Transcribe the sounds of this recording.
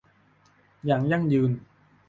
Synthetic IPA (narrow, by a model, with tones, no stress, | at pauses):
jaː˨˩ŋja˥˩ŋjɯː˧n